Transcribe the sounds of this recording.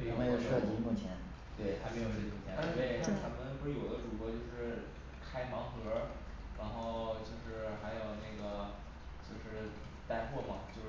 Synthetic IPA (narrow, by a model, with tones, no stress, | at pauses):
me˧˥ɪo˨˩˧ʊʂɤ˥˧t͡ɕi˥mu˥˩t͡ɕʰjɛ˧˥n | t̪we˥˩ɪt̪ʰa˥me˧˥ɪo˨ʊʂɤ˥˧˩t͡ɕi˧˥mu˥˩t͡ɕʰjɛ˧˥t̪we˥˩ɪ˥t̪ʰa˥mə˧nku˥jo˨˩ʊd̪ə˦ʈ͡ʂu˨˩kɤ˧˥t͡ɕjo˥˧ʊʂɻ̩˥˩ | kʰa˥ɪmɑ˧˥ŋxɤ˧˥ | ɻa˧˥nxo˥˧ʊt͡ɕjo˥˧ʊʂɻ̩˥˩xa˧˥ɪjo˨˩ʊna˥˩ɡə˩ | t͡ɕjo˥˧ʊʂɻ̩˥˩ | t̪a˥˧nxwɔ˥˩pɑ̰˨˩˦ŋt͡ɕjo˥˧˥